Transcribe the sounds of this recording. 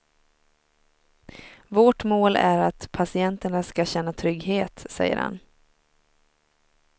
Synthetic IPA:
voʈmoːlʔæɾat̪pʰasɪɛnt̪əɳaskaɕɛnːat̪ʰɾʏɡɦeːt̪sɛ̰jːə̰ɾha̰n

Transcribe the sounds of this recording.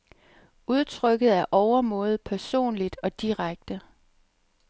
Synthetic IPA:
uð̞ˠt͡sʰʁœɡ̥ð̞̩ˠæɐʔɒʊɐmɔ̽ːð̞̩ˠpʰæɐso̝̰ːnlid̥ɒ̽d̥iʁaɡ̥̚d̥ə

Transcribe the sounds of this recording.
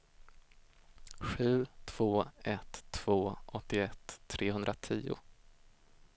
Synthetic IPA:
ɧʉ̟ːt̪ʰv̥oːɛt̪ʰːv̥oːʔɔt̪ːɪɛt̪ʰːɾʔeːhɵnd̪ɾat̪ʰḭːʊ̰

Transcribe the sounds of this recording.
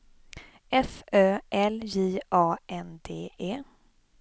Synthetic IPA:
ʔɛføːʔɛljiːʔɑːɛnd̪eːeː

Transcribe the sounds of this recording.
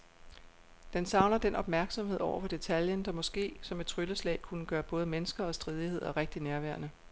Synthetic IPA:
d̥ensɑ̈ʊnɐd̥enʔɒ̽b̥̚mæɐɡ̥sɒ̽mɦe̝ðˠɒʊ̰ɐfɒ̽d̥e̝t͡sʰæljənd̥ɑ̈mɒ̽sɡ̥e̝̰ːsɒ̽me̥t͡sʰʁyləslɛ̰ːɪkʰunəɡ̥ɶːɐb̥ɔ̽ːð̞̩ˠəmenəsɡ̥ɐɒ̽sd̥ʁið̞ˠihe̝ð̰ˠɒ̽ʁeɡ̥̚d̥inæɐʋæɐnə

